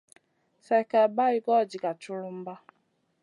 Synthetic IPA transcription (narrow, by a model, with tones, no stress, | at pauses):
sɛ˦kɛ˨ba˦i˦ɡɔ˦˨d͡ʒi˨ka˨t͡ʃu˦lu˦m̩˦ba˦